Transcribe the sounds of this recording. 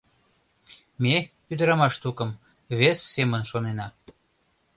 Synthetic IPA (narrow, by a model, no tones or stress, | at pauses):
me | yd̪əɾɑmɑʃt̪ukəm | βesːemənʃonenɑ